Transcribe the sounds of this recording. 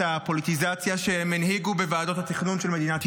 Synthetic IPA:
apo̞lit̪izat͡sjaʃemanhiɡubevaːdo̞t̪hat̪iχnunʃelme̞d̪inat̪

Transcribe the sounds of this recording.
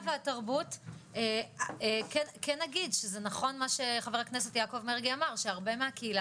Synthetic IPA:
veataʁbuteekenkenːaɡidʃezenaχo̞nmaʃe̞χaveʁakne̞se̞tjako̞vmeʁɡiamaʁʃeaʁbe̞meakeila

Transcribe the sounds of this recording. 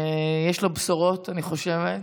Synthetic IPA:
jɛʃlobsoʁo̞taniχo̞ʃevet

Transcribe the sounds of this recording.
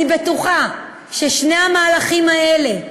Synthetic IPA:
ibetuχa | ʃeʃnejamaːlaχimaele̞

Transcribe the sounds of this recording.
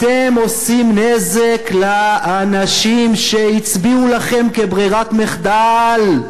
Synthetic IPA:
temo̞simnezeklaanaʃimʃe̞it͡sbiulaχe̞mke̞bʁiʁatmeχd̪al

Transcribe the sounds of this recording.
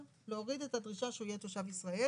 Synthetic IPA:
leoʁide̞tadʁiʃaʃeojet̪oʃavisʁae

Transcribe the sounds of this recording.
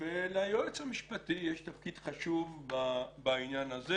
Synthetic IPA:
velajoet͡shamiʃpat̪ijeʃt̪afkidχaʃuvbabainjanaze

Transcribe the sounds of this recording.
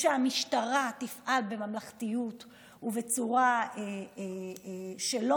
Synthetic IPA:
ʃeamiʃtaʁat̪ifʔalbe̞mamlaχtijut | uve̞t͡suʁae | ʃelo

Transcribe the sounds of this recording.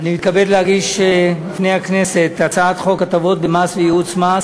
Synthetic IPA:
animit̪kabe̞dlehaɡiʃlifnejhakne̞set̪at͡saat̪χo̞kat̪avo̞t̪̚bemasvejiut͡smas

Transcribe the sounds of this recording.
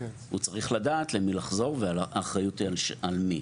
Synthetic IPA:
hṵt͡saʁiχladatlemilaχzo̞ʁvealaχajutialmi

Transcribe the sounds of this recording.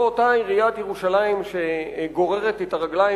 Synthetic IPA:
otaiʁijat̪jeʁuʃalaimʃeɡo̞ʁe̞ʁet̪et̪aʁaɡla

